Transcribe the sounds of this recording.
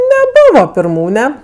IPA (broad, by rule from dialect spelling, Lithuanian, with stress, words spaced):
nʲɛˈbʊʋoː pʲɪrˈmuːnʲɛ